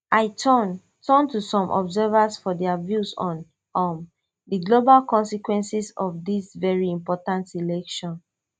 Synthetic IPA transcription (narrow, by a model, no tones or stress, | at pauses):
ʔaɪtn | tʰɔ̃ntusɔ̃mʔɔ̰bzɛvasfɔdɛavjusɔ̃n | ɔm | diɡlobalkɔ̃nsikwɛ̃nsisɔfdisvɛɹiĩmpɔtãntilɛkʃɔ̃n